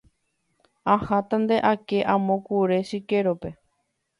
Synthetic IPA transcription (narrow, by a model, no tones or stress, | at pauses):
ahat̪ãnd̪e̞ʔake̞ʔãmõkuɾeʃikeɾope